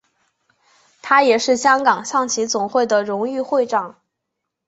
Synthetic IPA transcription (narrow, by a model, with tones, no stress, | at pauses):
t̪ʰa˥jɛ˨˩ʂɻ̩˥˩ɕjɑ˥ŋkɑ˨˩ŋɕʰɑ˥˩ŋt͡ɕʰi˧˥t͡sʊ˨˩ŋxwe˥˩ɪd̪ə˩ɻʊ˧˥ŋy˥˧xwe˥˧ɪʈ͡ʂɑ˥˩˦ŋ